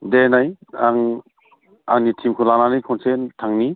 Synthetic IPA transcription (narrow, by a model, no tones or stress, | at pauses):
denajaŋ | aŋnitʰimkʰulananikʰɔnsentʰaŋni